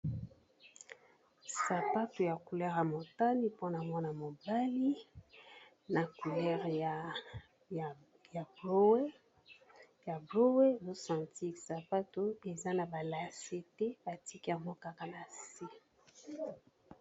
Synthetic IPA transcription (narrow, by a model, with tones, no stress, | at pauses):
sa˨pa˦to˨ja˨ku˨lɛ˦ʁja˨mo˨ta˦ni˦po˦na˨mɔ˦na˨mo˨ba˦li˦ | na˨ku˨lɛ˦ʁ | ja˨bo˦we˦ | ja˨blo˦we˦˨zo˦sã˨nti˦sa˨pa˦to˨e˨za˦na˨ba˨la˨se˦te˦ba˨ti˦ki˦ja˨mo˦ka˦ka˦na˨se˦